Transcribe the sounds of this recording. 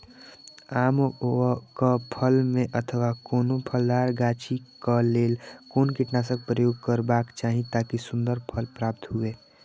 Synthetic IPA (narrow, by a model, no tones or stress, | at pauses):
aːm | kəpʰəlmẽʔət̪ʰəʋakoːnopʰəld̪aːɾɡaːt͡ʃikkəleːlkoːnkiʈnas̬ə̃k̚pɾəjoːɡkəɾbaːkt͡ʃaːɦĩt̪akisʊ̃nd̪əɾpʰəlpɾaːp̚t̪ɦʊeː